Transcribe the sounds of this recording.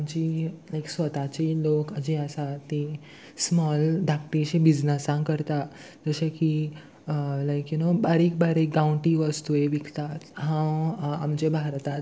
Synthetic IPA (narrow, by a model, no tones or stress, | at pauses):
amt͡ɕiːlajksʋət̪at͡ɕelokəd͡ʑiəsat̪e | smɔld̪ʱak̚t̪iɕẽbid͡znəsãŋkəɾt̪a | d͡zəɕeki | lajkjunobaɾiːk̚baɾik̚ɡãɳʈiʋəst̪ueʋikʰt̪at̪ɦãwa̰mt͡ɕebʱaɾt̪at̪